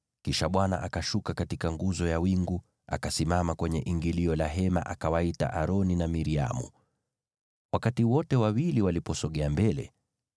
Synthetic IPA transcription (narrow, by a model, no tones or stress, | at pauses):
kiʃaɓwana̰ʔakaʃukakatikaŋɡuzɔjawiŋɡu | a̰kasimamakwɛɲɛʔiŋɡiliɔlaɦɛma̰ʔakawaita̰ʔaɾɔninamiɾia̰mṵ | wakatiwɔtɛwawiliwalipɔsɔɠɛambɛlɛ̰